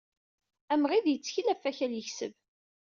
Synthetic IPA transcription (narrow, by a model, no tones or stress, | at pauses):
æmʁiðjət͡sːçilæfːæçæljəçsə̰v